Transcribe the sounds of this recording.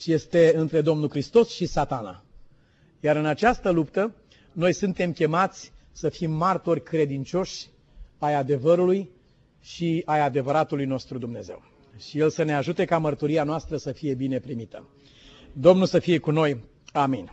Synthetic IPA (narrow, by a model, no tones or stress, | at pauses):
t͡ʃje̞st̪e̞ɨnt̪ɾe̞d̪o̞mnulkɾist̪o̞sʃisat̪ana̰ | jaɾɨnat͡ʃast̪əlupt̪ə | no̞jsɨnt̪e̞mkʲe̞mat̪sʲsəfimːart̪o̞rʲkɾe̞d̪int͡ʃo̞ʃʲ | ajad̪e̞vəɾuluj | ʃiajad̪e̞vəɾat̪ulujno̞st̪ɾud̪umne̞ze̞̰w | ʃije̞lsəneaʒut̪e̞kamərt̪uɾianoast̪ɾəsəfije̞bine̞pɾimit̪ə̰ | d̪o̞mnulsəfije̞kuno̞j | aminʲ